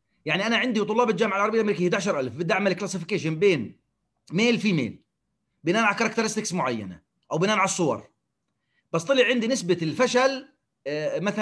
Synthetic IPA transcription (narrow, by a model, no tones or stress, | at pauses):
jaʕniʔanaʕɪnd̪iwt̪ˤʊlːɑːbɪld͡ʒaːmɪʕalʕɑɾˤbijalʔamɾiːkijːd̪aʕaʃɑɾˤʔalfbɪd̪ʔaʕmalklasɪfɪkeːʃɪnbeːn | meːlfimḛːl | bɪnaːʔanʕalkɑɾˤɑkt̪ɪɾˤɪst̪ɪksmʊʕajːa̰na̰ | ʔawbɪnaːʔnʕalsˤːʊwɑ̰ɾˤ | b̥ɑsˤt̪ˤɑlɪʕʕɪnd̪inɪsbaɪlfaʃal | maθa